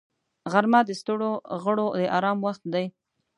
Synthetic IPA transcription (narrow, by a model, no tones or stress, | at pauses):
ɣaɾmad̪əst̪əɽoɣəɽod̪əʔɑɾɑmwaxt̪̚d̪aj